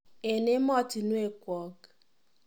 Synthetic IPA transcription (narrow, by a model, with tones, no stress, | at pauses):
e˨nɪ˦mɔ˦ti˨nu˦e˨kʷɔ˨ɡ